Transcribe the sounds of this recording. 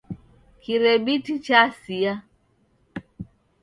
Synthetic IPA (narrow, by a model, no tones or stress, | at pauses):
kiɾɛbitit͡ʃasia